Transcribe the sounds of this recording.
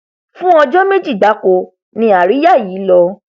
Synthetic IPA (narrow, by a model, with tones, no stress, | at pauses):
fũ˦ɔ˧d͡ʒɔ˦me˦d͡ʒi˦˨da˨˦ko˧ | nĩ˧a˨ɾi˨˦ja˦˨jiː˨˦lɔ˧